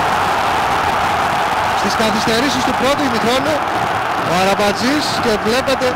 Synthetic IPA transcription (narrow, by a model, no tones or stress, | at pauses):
st̪iskɐθist̪e̞ɾisist̪upɾo̞t̪unixɾo̞nu | ɐɾɐbɐd͡zisce̞vle̞pe̞t̪e̞